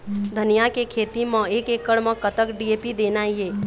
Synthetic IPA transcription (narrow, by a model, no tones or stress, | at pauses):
d̪ʱənijakekʰeːt̪imə̃eːkeːkːəɽmə̃kət̪əkɖieːpid̪eːnaɦieː